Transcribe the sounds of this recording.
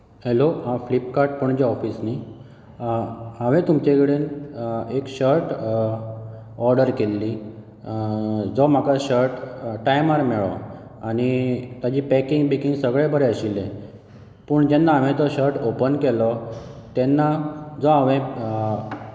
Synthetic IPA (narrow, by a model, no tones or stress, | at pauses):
hɛloɦãflipkaɾʈ̚pəɳd͡ʑeɔfisni | ə̃ʋẽt̪umt͡ɕekɽenekɕəɾʈ | ɔɾɖəɾkelːi | d͡zɔm̤akaɕəɾʈʈajmaɾmɛɭɔ̰añit̪jad͡ʑiːpɛkiŋɡbekiŋɡsəɡɭebəɾeəɕilːẽ | pəːɳd͡ʑɛnːaaʋẽt̪ɔɕəɾʈopənkelɔt̪ɛnːad͡zɔaʋẽ